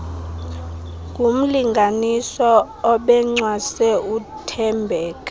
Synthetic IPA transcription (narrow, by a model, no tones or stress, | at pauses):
kʼum̩liŋɡʱanisɔ | ɔɓɛŋ͡ǀwasɛutʰɛmbʱɛːka